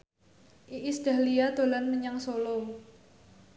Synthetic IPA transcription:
ʔiisd̥a̤liad̪̥o̤lanməɲaŋsolɔŋ

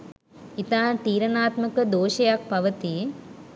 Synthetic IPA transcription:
it̪aːnt̪iːɾɐnaːt̪məkəd̪oːʃɐjak̚pɐʋət̪i

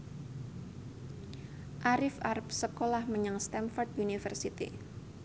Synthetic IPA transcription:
ʔaɾɪfarpsəkolahməɲaŋst̪anfɔrd̪unifərsit̪ḭ

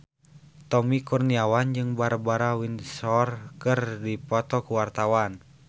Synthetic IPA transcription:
t̪ɔmikɔrniawand͡ʒɨŋbaɾbaɾawinsɔrkɨrdipɔt̪ɔkuwart̪awan

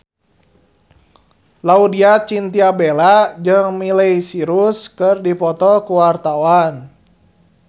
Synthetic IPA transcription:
laudiat͡ʃint̪iabelad͡ʒɨŋmileisiɾuskɨrdipɔt̪ɔkuwart̪awan

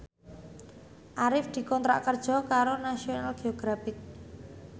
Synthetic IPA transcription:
ʔaɾɪfd̪̥i̤kɔnt̪ɾa̰ʔkərd̥ʒ̥ɔ̤kaɾonasionalɡ̥eoɡ̥ɾafɪk̚

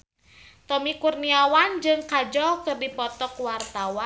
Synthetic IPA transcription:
t̪ɔmikurniawand͡ʒɨŋkad͡ʒɔkɨrdipɔt̪ɔkwart̪awa

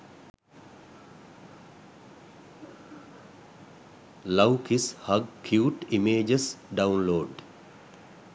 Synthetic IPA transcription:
lawkishaɡkʰjuːʈimeːd͡ʒəsɖaunloːɖ

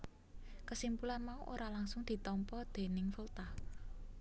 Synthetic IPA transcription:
kəsimpulanmauʔoɾalaŋsʊŋd̪̥i̤t̪ɔmpɔd̪̥e̤nɪŋfult̪ah

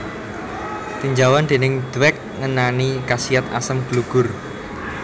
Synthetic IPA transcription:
t̪iɲd͡ʒawand̪̥e̤nɪŋd̪̥wɛk̚ŋənanikasiat̪a̰səmɡ̥luɡ̥ʊ̤r

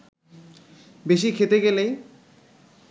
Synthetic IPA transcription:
beʃikʰet̪eɡelej

